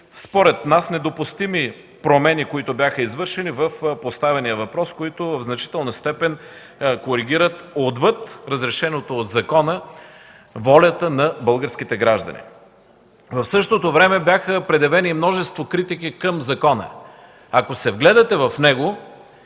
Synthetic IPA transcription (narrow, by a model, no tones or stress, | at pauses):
spoɾɛt̪nasnɛd̪opʊst̪imi | pɾomɛnikoit̪ʊbʲjaxəizvɤɾʃɛnivəfpost̪avɛnijəvɐpɾɔskoit̪ʊvəvznɐt͡ʃi̥t̪ɛlˠnəst̪ɛpɛn | koɾiɡʲiɾət̪od̪vɤt̪ɾəzɾɛʃɛnot̪oːd̪zɐkɔnə | vɔlʲət̪ənɐbɤlˠɡəɾsk̟it̪ɛɡɾaʒd̪ɐ̰nḭ | vɐfsɤʃt̪ot̪ovɾɛmɛbjaxəpɾɛd̪ɛvɛnimnɔʒɛst̪vokɾit̪ikikəmzɐkɔnə̰ | ɐkosɛvɡlɛd̪ɐt̪ɛvɐfnɛɡo